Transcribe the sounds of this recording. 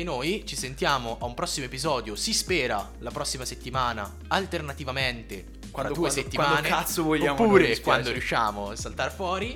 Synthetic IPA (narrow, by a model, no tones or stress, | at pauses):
enːojt͡ʃisent̪jaːmoʔaumpɾɔsːimoepizɔːd̪josispɛːɾa | lapɾɔsːimaset̪ːimaːna | alt̪ernat̪ivament̪e | kwad̪ueset̪ːimaneat̪sːovoʎːampːuːɾekwand̪oɾjuʃːa̰ːmosalt̪arfwɔːɾi